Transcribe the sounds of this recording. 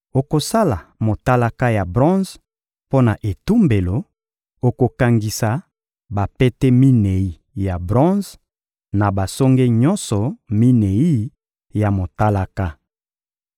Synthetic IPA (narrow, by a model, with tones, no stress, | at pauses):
o˨ko˨sa˦la˨mo˨ta˦la˦ka˦ja˨bʁɔ̃˦z | po˦na˨ʔe˨tu˦mbe˨lo˨ | o˨ko˨ka˨ŋɡi˨sa˨ | ba˨pe˦tɛ˦mi˦ne˨i˦ | ja˨bʁɔ̃˦z | na˨ba˨sɔ˦ŋɡe˦ɲɔ̃˦nsɔ˨mi˦ne˨i˦ | ja˨mo˨ta˦la˦ka˦